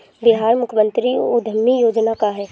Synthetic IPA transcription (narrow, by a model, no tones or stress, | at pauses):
ʋɪɦaːɾmʊkʰəmə̃nt̪ɾiud̪ʱəmːijoːd͡ʒnakaɦɛː